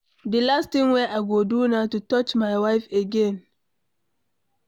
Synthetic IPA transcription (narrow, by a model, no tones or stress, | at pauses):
dəlastĩŋweʔaɪɡodunatutɔt͡ʃmajwaɪfeɡɛ̃n